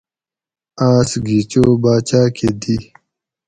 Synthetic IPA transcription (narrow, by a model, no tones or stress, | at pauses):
aːsɡit͡ɕoːbaːt͡ɕaːkʰed̪i